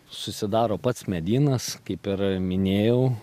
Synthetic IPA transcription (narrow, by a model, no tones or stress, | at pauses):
sʊsʲɪd̪ɑːɾoːpɐt̪smʲɛd̪ʲiːnɐskɐɪpɪɾmʲɪnʲeːjɛʊ